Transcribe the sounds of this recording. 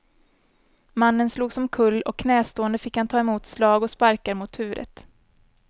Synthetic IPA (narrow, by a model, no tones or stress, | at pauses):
manːənsluːɡsɔmkʰɵlːɔ̰kʰːnɛːst̪oːənd̪əfɪkhant̪ʰɑːɛmuːt̪slɑːɡɔspaɾkaɾmʊt̪hʉ̟ːɾə̰t̪